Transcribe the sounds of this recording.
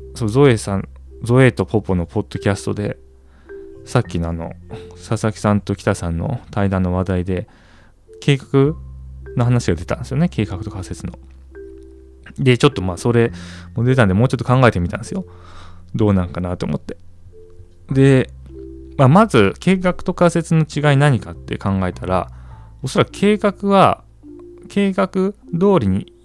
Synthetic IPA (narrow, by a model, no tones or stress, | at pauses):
soːzo̞esãnd͡zo̞e̞t̪o̞pʰo̞po̞no̞pʰo̞d̪̥ːo̞kʲasɨ̥t̪o̞̰d̪e̞ | sakʲːinoano̞̰sasakʲi̥sãnt̪o̞kʲi̥t̪asãnːo̞̰t̪aid̪ãnːo̞β̞ad̪aid̪e̞ | ke̞ːkḁkɯ̟no̞ɦanaɕiɡad̪e̞t̪ã̰nd̪esɨjo̞ne̞ke̞ːkakɯ̟t̪o̞kase̞t͡sɨno̞ | d̪e̞t͡ɕo̞t̪ːo̞maːso̞ɾe̞mo̞d̪e̞t̪ãnd̪emo̞ːt͡ɕo̞t̪ːo̞kãŋɡae̞t̪emʲit̪ã̰nesɨjo̞ | d̪o̞ːnãŋkanat̪o̰ːmo̞̰t̪ːe̞̥ | d̪e̞ | mamazɨke̞ːkakɯ̟̥t̪o̞kase̞t͡sɨno̞t͡ɕiɡainaɲ̟ikat̪ːe̞̰kãŋɡae̞t̪aɾa̰o̞soɾakɯ̟̥kʰe̞ːkakɯ̟βa | kʰe̞ːkakɯ̟d̪o̞ːɾʲiɲ̟i